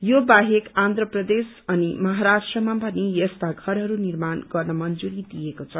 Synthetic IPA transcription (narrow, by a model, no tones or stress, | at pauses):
jobaɦekand̪ʱrʌprʌd̪es | ʌnimʌɦaɾasʈrʌmapʌnijʌst̪aɡʱʌɾɦʌɾunirmanɡʌrnʌmʌnd͡zuɾid̪ijekot͡sʰʌ